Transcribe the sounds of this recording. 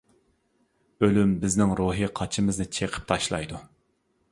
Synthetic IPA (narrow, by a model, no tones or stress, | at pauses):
ølymbɪznɪŋɾoɦiqʰɑt͡ʃʰimɪznɨt͡ʃʰeqʰə̥p̚t̪ʰɑʃlˠɑ̰jd̪u